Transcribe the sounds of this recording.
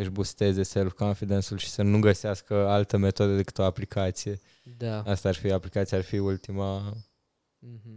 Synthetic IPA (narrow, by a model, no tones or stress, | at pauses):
əʒbust̪e̞ze̞selfkonfid̪ensulʃi̥sənuɡəseaskəalt̪əme̞t̪o̞d̪əd̪e̞kɨ̥t̪o̞aplikʰat̪sije̞ | d̪aast̪aːrfiaplikat̪siearfiult̪ima | ɦ̩